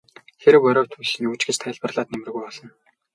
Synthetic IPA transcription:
xeɾɘ̆wœɾɔːwt̪ʰusɘ̆nuːt͡ɕɡĕt͡ɕt̪ʰæɪ̆ɮpə̆rɮaːt̪̚nemrɘ̆ɣujpɔɮɞ̆n

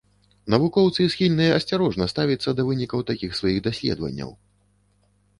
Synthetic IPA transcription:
nɐvukɔwt̪sɨsxʲilʲnɨjɐɐsʲt͡sʲaɾɔʐnɐst̪avʲit̪sːɐd̪ɐvɨnʲikɐwt̪akʲixsvajiɣd̪asʲlʲɛ̰d̪vɐ̰nʲːɐ̰w

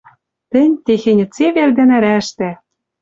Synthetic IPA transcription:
t̪ɘ̆nʲt̪exĕnʲɘ̆t͡seβerd̪ɘ̆næ̆ɾæʃt̪æ

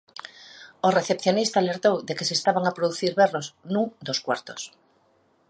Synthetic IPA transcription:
oreθepθjonist̪aːleɾt̪owðekeseːst̪aβaŋapɾoðuθiɾβɛrosnũŋd̪oskwa̰ɾt̪o̥s

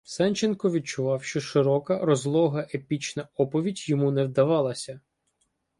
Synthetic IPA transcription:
sɛnʲt͡ʃenkɔʋʲid̪̚t͡ʃʊʋɑwʃt͡ʃɔʃɪɾɔkɐɾɔzlˠɔɦɐʔepʲit͡ʃnɐɔpɔʋʲidʲjɔmunɛwd̪ɐʋɑlˠɐsʲɐ

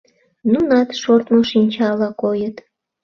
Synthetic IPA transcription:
nunɑt̪ʃort̪moʃinʲt͡ɕɑlɑkojət̪

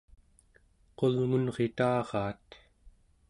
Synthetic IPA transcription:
qo̞lŋunʁe̞t̪ɑːʁɑːt̪

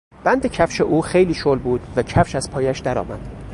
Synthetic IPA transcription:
b̥ænd̪ecʰæfʃeʔuːxejliːʃolbuːd̪̥væcʰæfʃæz̥pʰɒːjæʃd̪æɾɒ̰ːmæd̪̥

